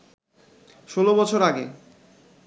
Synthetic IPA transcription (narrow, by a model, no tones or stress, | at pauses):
ʃolobɔt͡ɕʰoɾaɡḛ